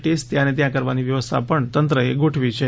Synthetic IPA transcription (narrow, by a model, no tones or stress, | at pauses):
ʈesʈt̪jãnet̪jãkəɾʋaniʋjəʋəst̪ʰa̰pəɳt̪ənt̪ɾəeɡoʈʰʋit͡ʃʰe